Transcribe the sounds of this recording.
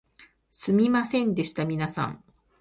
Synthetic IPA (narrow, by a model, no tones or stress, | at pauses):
sɨmʲimasẽ̞nd̪e̞ɕi̥t̪amʲinasã̰ŋ